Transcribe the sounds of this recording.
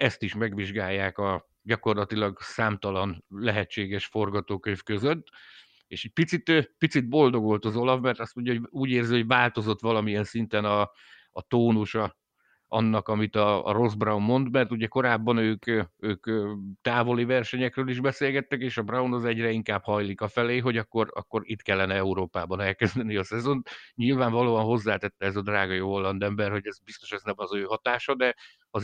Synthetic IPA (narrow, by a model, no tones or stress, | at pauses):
ɛst̪iʃmɛɡʋiʒɡaːjːaːkɒ | ɟɒko̞rlɒt̪ilɒɡsaːmt̪ɒlɒnlɛɦɛt͡ʃːeːɡɛʃfo̞rɡɒt̪oːkøɲvkøzøt̪ː | ḛːʃɛɟ̚pit̪sit̪ːpit̪sid̪̚bo̞ld̪o̞ɡo̞lt̪ɒzo̞lɒvmɛrt̪ɒst̪mo̞ɲɟɒɦoɟuːɟeːrziɦo̞ɟvaːlt̪o̞zo̞t̪ʋɒlɒmijɛnsint̪ɛnɒː | t̪oːnuʃɒ | ɒnːɒkɒmit̪ɒ̰ːro̞zbrɒwmːo̞nd̪mɛrt̪uɟɛko̞ɾaːbːɒnøːkøːkːt̪aːvo̞livɛrʃɛɲɛkrøːliʒbɛseːlɡɛt̪ːɛkeːʃɒbrɒwnɒzɛɟrɛiŋkaːbhɒjlikɒfɛleːɦo̞ɟɒkːo̞rɒ̰kːo̞ɾit̪kɛlːɛnɛɛuɾoːpaːbɒnɛlkɛzd̪ɛniɒsɛzo̞nt̪ɲilvaːɱvɒloːɒnɦo̞zːaːt̪ɛt̪ːɛɛzɒd̪raːɡɒjoɦolːɒnd̪ɛmbɛrho̞ɟɛzbist̪o̞ʃɛznɛmɒzøːɦɒt̪aːʃɒd̪ɛ | ɒ